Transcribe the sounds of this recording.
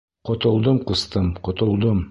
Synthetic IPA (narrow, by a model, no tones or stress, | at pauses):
qŏt̪ŏlˠd̪ɤmqŭst̪ɤmqŏt̪ŏlˠd̪ɤm